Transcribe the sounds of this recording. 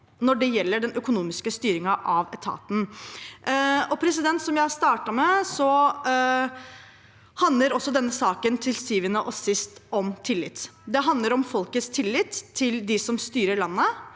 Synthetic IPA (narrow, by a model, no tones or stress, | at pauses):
nɔɖɛjɛlːəɖɛnœkʊnuːmɪskəst̪yːɾɪŋɑʔɑʋɛt̪ʰɑ̰ːt̪n̩ | ɔpʰɾɛsɪd̪ɛnt̪sɔmjæɪst̪ɑːʈɑmɛsɔ | hɑnd̪ləɾɔsːɔd̪ɛnːəsɑːkənt̪ʰɪlsyːʋənəʔɔsɪst̪ɔmt̪ʰɪlːɪt̪ːd̪ɛɦɑnd̪ləɾɔmfɔlkət̪st̪ʰɪlːɪt̪ʰːɪld̪ɪsɔmst̪yːɾəɭɑnːə